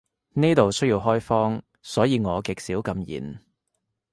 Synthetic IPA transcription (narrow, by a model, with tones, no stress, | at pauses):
niː˥t̪o˨wsɵ˥jiː˧wɦɔː˥jfɔː˥ŋ | sɔː˨˥jiː˨˧ŋɔː˨˧kɪ˨k̚siː˨˥wkɐ˧mjḭː˨˩n